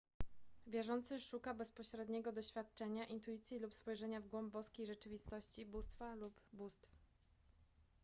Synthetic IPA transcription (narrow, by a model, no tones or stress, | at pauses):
vʲjɛʐɔnt̪sɘʂukabɛspɔɕɾɛd̪ɲɛɡɔd̪ɔɕfʲjat̪̚t͡ʂɛɲaʔint̪uit̪sʲjilupspɔjʐɛɲavɡwɔmbbɔskʲejʐɛt͡ʂɘvʲist̪ɔɕt͡ɕibust̪falupbust̪f